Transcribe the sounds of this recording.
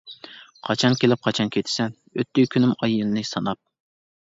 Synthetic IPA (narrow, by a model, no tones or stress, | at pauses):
qʰɑt͡ʃʰɑnkʲelɪp̚qʰɑt͡ʃʰɑnkʲʰet̪ʰɪ̥sɛn | øt̪ːykʲʰynymɑjɨnnɨsɑnɑp̚